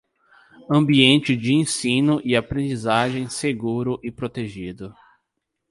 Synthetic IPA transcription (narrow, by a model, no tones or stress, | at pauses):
ɐ̃mbiẽnt͡ʃɪd͡ʒɪẽsĩnʊʔɪapɾẽnd͡ʒizaʒẽj̃seɡuɾʊʔɪpɾot̪eʒid̪ʊ